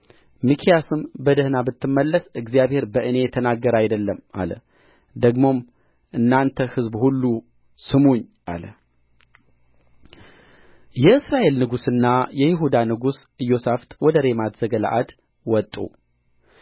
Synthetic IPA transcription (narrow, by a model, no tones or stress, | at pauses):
mɨkʰijasɨmbəd̪əhnabɨt̪ːɨmːəlːəsɨɡzijaβhe̞ɾbəʔɨne̞jɛt̪ʰənaɡːəɾajd̪əlːəma̰lə̰ | d̪əɡmo̞m | ʔɨnːant̪ʰəhɨzbhulːu | sɨmuɲːʔa̰lə | jɛɨsɾaʔe̞lnɨɡusɨnːajɛjɪɦud̪anɨɡusɨjo̞saft̪ʼwɔd̪əɾe̞mat̪z̥əɡəla̰ʔad̪ | wɔt̪ʼːṵ